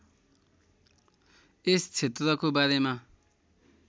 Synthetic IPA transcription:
est͡sʰet̪rʌkobaɾema

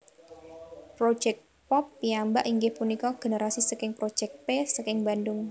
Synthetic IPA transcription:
pɾo̥d͡ʒ̥ɛk̚ | pɔpːiambaʔiŋɡɪhpunikɔɡ̥e̤nəɾasisəkɪŋpɾo̥d͡ʒ̥ɛk̚pesəkɪŋbandʊŋ

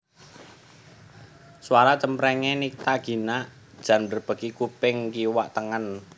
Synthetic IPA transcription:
swaɾat͡ʃəmpɾɛŋenik̚t̪aɡ̥i̤naʔ | d̥ʒ̥ä̤nbərb̥ə̤kikupɪŋkiwaʔt̪əŋən

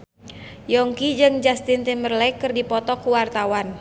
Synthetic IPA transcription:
jɔŋkid͡ʒɨŋd͡ʒast̪int̪imbərlɛkɨrdipɔt̪ɔkuwart̪awan

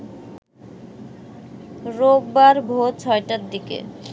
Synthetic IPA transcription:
ɾobbaɾbʱot͡ɕʰɔeʈad̪ikḛ

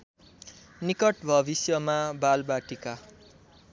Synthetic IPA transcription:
nikʌʈbʱʌbisjʌmabalbaʈika

